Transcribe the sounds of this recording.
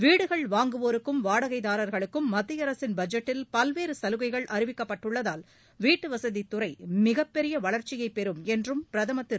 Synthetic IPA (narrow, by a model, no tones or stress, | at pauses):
ʋiːɽɯɣɐɭʋaːŋɡɯʋoːɾɯkːɯmʋaːɽɐɣɐɪðaːɾɐɾɣɐɭɯkːɯmːɐd̪ːɪjɐɾɐsɪnbɐd͡ʒɐʈːɪlpɐlʋeːɾɯsɐlɯɣɐɪɣɐɭʔɐɾɪʋɪkːɐpːɐʈːɯɭːɐðaːl | ʋiːʈːɯʋɐsɐðit̪ːʊrɐɪmɪɣɐpːɛɾɪjɐʋɐɭɐɾt͡ʃɪjɐɪpːɛɾɯmɛndrɯmpɪɾɐðɐmɐt̪ːɪɾ